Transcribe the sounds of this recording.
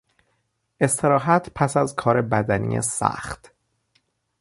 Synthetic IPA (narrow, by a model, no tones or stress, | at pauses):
ʔe̞st̪ʰe̞ɾɒːɦæt̪ʰpʰæsæzkʰɒːɾe̞bæd̪ænḭːḛsæ̰xt̪